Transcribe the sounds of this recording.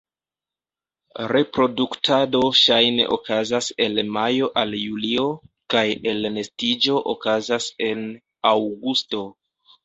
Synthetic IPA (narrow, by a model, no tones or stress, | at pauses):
ɾe̞pɾo̞duktʰado̞ʃajne̞̰ʔo̰kazase̞lmajo̞ʔaljulio̞kaje̞lne̞stid͡ʒo̞ʔokazase̞n | awɡusto̞